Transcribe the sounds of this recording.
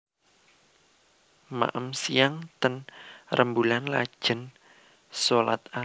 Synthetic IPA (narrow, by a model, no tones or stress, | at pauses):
ma̰ʔəmsijaŋt̪ənrʔəmbulanla̰̥ʒ̥ə̤n | sola̰t̪̚a